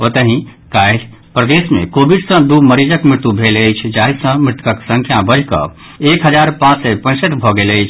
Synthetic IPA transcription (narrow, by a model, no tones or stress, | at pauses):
ot̪əɦĩ | kajl | pɾəd̪esmḛ̃kobiɖsə̃d̪uməɾid͡ʒəkmɪt̪ːubʱeləjt͡ʃʰd͡ʒaɦisə̃mɪt̪kəksə̃ŋkʰjabəɾʱkə̰ | ekɦəd͡ʒaɾpãt͡ʃsɛpə̃səʈbʱɔɡeləjt͡ʃʰ